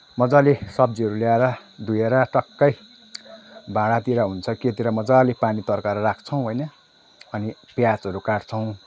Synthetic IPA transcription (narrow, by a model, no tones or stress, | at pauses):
mʌd͡zalesʌb̚d͡ziɦʌɾuljaeɾʌd̪ujeɾʌʈʌkːʌj | bʱãɽat̪iɾaɦunt͡sʰʌket̪iɾamʌd͡zalepanit̪ʌrkaɾʌrakʰt͡sʰʌw̃ɦojnʌ | ʌnipjat͡sʌɾukaɽt͡sʰʌw̃